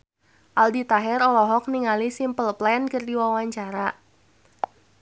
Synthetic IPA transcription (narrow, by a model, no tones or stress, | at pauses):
ʔaldit̪aɦɛɾɔlɔɦɔk̚niŋalisimpəlplɛnkərdiwawaɲt͡ʃaɾa